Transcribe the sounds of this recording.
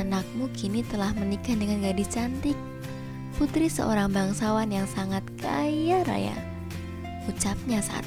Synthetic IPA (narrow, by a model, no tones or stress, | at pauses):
nak̚mukʰinit̪əlahmənikadəŋanɡadit͡ʃant̪ɪk̚ | put̪ɾisə̰ʔo̰ɾaŋbaŋsawanjaŋsaŋat̪̚ka̰jjaɾa̰ja̰ | ut͡ʃap̚ɲasa̰ʔa̰t̪